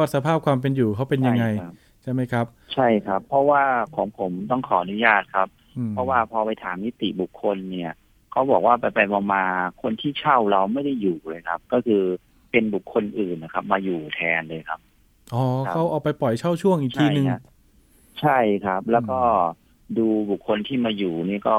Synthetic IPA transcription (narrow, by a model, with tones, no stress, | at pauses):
ɔ˥˩t̪̚sa˧pʰaː˥˩p̚kwaː˧mp̬e˧njuː˨˩kʰa˦˥wpe˧nja˧ŋa˧j | t͡ɕʰa˥˩jma˦˥jkʰɾa˦˥p̚t͡ɕʰa˥˩jkʰa˦˥pʰːɔ˦˥waː˥˩kʰɔː˩˦ŋpʰo˩˦mt̪̬ɔ˥˩ŋkʰɔː˩˦ʔa˧nu˦˥jaː˥˩t̪̚kʰa˦˥p̚ːʰ | ɔ˦˥waː˥˩pʰɔː˧pa˧jt̪ʰaː˩˦mːi˦˥t̪ḭ˨˩bu˨˩kʰːo˧nːi˥˩ɐ | kʰa˦˥wbɔː˨˩k̚waː˥˩pa˧jpa˧jmɔː˧ŋmaː˧kʰo˧nt̪ʰiː˥˩t͡ɕʰa˥˩wɾa˧wma˥˩jda˥˩jːuː˨˩lɤː˧jkʰa˦˥p̚kɔː˥˩kʰɯː˧ | pe˧nbu˨˩kʰːo˧nʔɯː˨˩nːa˨˩kʰa˦˥p̚maː˧juː˨˩t̪ʰɛː˧nlɤː˧jkʰa˦˥p̚ | ʔɔː˨˩kʰa˦˥wʔɔː˨˩pa˧jpɔ˨˩jt͡ɕʰa˥˩wt͡ɕʰu˥˩əŋʔiː˨˩t͡ɕk̪ʰiː˧nɯ˨˧ŋ | t͡ɕʰa˥˩jkʰa˦˥p̚lɛː˦˥wkɔː˥˩ | duː˧bu˨˩kʰːo˧nt̪ʰiː˥˩maː˧juː˨˩niː˥˩kɔː˥˩